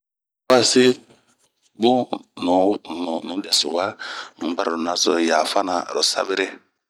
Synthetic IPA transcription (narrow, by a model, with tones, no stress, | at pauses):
wa˦sɪ˦ | bu˦nu˨˦n˨nũ˨˦dɛ˨sṵ˨wa˦˨nũ˨˦ba˦ɾa˨u˨na˦sɔ̰˨ja˨fa˦na˨ɾɔ˨sa̰˦be˦ɾe˦